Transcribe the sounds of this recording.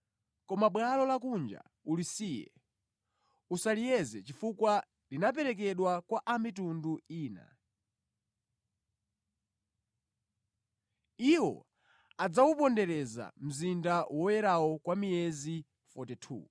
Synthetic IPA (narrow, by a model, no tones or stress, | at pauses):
kɔmaɓwalɔlakund͡ʒa̰ | ulisijɛ̰ | usalijɛzɛt͡ʃifukwa | linap̬ɛɾɛk̬ɛɗwakwaʔamitunduiːna̰ | iwɔ̰ | ad͡zawupɔndɛɾɛza̰m̩zindawɔwɛɾawɔkwamijɛzi | fɔtɛtʰṵ